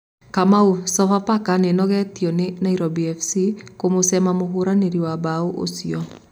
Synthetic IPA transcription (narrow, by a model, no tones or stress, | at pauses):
kamausɔfapakanenɔɣɛtiɔnenaiɾɔbiɛfsikomosɛmamoɦoɾaneɾiwabaoʔo̰siɔ